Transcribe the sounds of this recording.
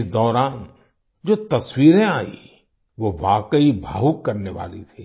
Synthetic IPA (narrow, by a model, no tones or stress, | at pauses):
ɪsd̪ɔːɾaːn | d͡ʒoːt̪ɐswiːɾẽaːḭ | ʋoʋaːkəibʱa̰ːɦʊkːɐɾneʋa̰ːlḭt̪ʰiː